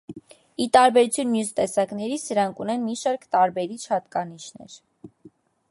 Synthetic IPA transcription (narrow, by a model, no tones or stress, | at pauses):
it̪ɑɾbɛɾut͡sʰjunmjust̪ɛsɑknɛɾit͡sʰd̪əɾɑŋkʰunɛnmiʃɑɾkt̪ɑɾbɛɾit͡ʃʰhɑt̪kɑniʃnɛ̰ɾ